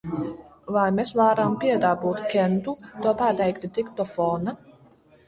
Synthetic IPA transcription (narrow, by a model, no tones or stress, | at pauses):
vajmesvaːɾampʲiɛd̪aːbuːt̪kʲɛnt̪ut̪uɔpaːt̪ɛjkt̪it̪ikt̪ɔfɔːna